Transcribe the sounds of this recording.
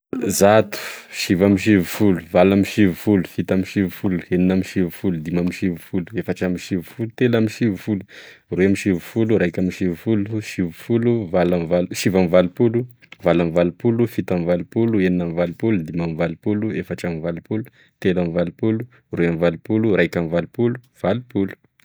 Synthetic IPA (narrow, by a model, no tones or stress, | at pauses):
zat̪u̥ʃivamiʃ̬ivufuluvalamiʃivufulu̥fit̪amiʃivufulu̥eninamiʃivufulud̪imamiʃivufuluefaʈ͡ʂamiʃivufulut̪elamiʃivufulu̥ | reamiʃivufuluɾajkʲamiʃivufuluʃivufuluvalamvaluʃivamivalupulu | valamivalupulufit̪amvalupulueninamvalupulud̪imamivalupuluefaʈ͡ʂamivalupulu | t̪elamivalupulu | reamivalupulurajkʲamivalupulu | v̥alupulu̥